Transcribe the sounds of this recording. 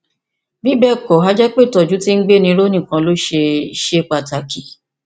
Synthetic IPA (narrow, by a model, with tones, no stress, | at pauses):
bi˦bɛ˦˨kɔ˨ɦa˦d͡ʒɛ˦k͡pe˦˨tɔ˨d͡ʒu˨˦ti˦ŋ̩˦ɡ͡be˦nĩ˧˦ɾo˦nĩ˦˨kã˧lo˦ʃe˧˦ʃe˦k͡pa˨ta˨ki˨